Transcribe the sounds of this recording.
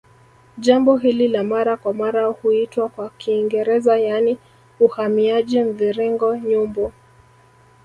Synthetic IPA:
ʄambɔɦililamaɾakwamaɾahuitwakwakʰiːŋɡɛɾɛzajani | uhamiaʄim̩ðiɾiŋɡɔɲumbɔ

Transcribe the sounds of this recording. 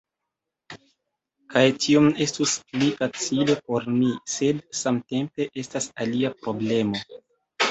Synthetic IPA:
kʰajtʰiome̞stusplifat͡sile̞po̞ɾmise̞dsamte̞mpe̞ʔe̞stasaliapɾo̞ble̞mo̞

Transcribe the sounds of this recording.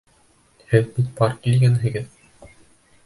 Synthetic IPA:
hɘðbit̪̚bɑɾkilɡænɦɘ̆ɡɘð

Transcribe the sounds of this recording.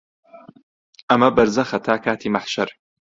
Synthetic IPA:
ʔɐmɐbɐɾzɐxɐt̪ʰaːkʰaːt̪ʰiːmaħʃɐɾ

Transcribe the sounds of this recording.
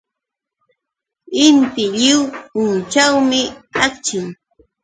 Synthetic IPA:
ɪnt̪ɪʎɪwʊnt͡ʃawmɪakt͡ʃɪŋ

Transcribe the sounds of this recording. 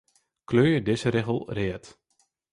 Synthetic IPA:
kløːjədɪzəɾɪɣəlˠrɪət

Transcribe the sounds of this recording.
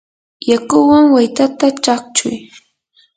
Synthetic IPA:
jakʊwaŋwajt̪at̪at͡ʃak̚t͡ʃʊ̰j

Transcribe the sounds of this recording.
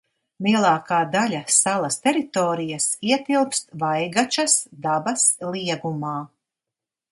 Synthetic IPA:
lˠiɛlˠɑːkaːd̪alʲɐsalˠɐst̪eɾit̪oːɾijasiɛt̪ilˠpst̪vajɡat͡ʃɐsd̪abɐslˠiɛɡumaː

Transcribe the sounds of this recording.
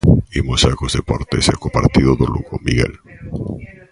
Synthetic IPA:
imosakozðepoɾt̪esḛkopaɾt̪iðoðolṵɣomiɣḛl

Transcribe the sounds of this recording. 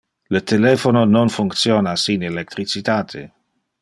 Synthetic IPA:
lət̪elɛfonononfuŋkt̪sjoːnasinelek̚t̪ɾit͡sit̪aːt̪ʰḛ

